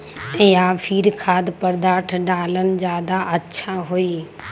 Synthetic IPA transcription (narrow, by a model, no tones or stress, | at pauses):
ɛ̃ːjaːfʰiːɾkʰaːd̪pɐɾd̪aːʈʰɖaːlənɪ̆d͡ʑaːd̪aʔɐtːɕʰaɦuiː